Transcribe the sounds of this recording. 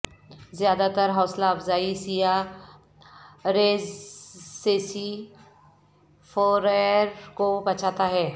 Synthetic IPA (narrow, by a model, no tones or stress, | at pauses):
zjaːd̪at̪əɾɦɔːslaɐbzaːisija | ɾeːzseːsi | fʰɔːɾeɾkobɐt͡ʃʰaːt̪aɦɛː